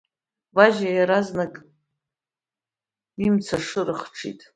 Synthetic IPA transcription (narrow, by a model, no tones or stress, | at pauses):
baʒajaɾaznakʼ | imt͡sʰaʂɨɾɨχʈ͡ʂʰḭtʼ